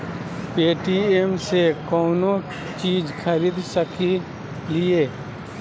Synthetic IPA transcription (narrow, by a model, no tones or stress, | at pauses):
peːʈiemsekɔːno | t͡ʃiːd͡ʒkʰəɾiːd̪səki | lieː